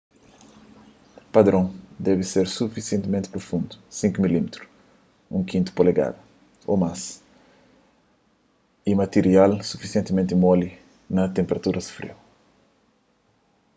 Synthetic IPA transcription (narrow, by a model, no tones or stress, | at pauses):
pɐd̪ɾõd̪ɛviseɾsufisiẽnt̪imẽnt̪ipɾofũnd̪u̥sĩŋkumilimet̪ɾu̥ | ṵ̃kʰĩnt̪u̥poleɡa̰d̪u | o̰mas | imɐt̪eɾialsufisiẽnt̪imẽnt̪imɔli | nɐt̪ẽmpeɾɐt̪uɾɐsu̥fɾḛw